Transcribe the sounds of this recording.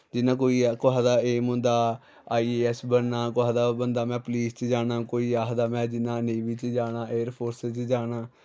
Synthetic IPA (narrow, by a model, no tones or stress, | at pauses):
d͡ʒɪnãːk̬oːiːkoaːd̪aːeːmʊ̃nd̪aː | aːiːɛːsbənːaːkoaːd̪aːbənd̪aːmɛ̃ːpliːst͡ʃd͡ʒaːnaːkoːiːaːɦd̪aːmɛ̃ːd͡ʒɪnãːnẽːʋit͡ʃd͡ʒaːnaːʔeːəɾpʰoːɾsɪt͡ʃd͡ʒaːnaː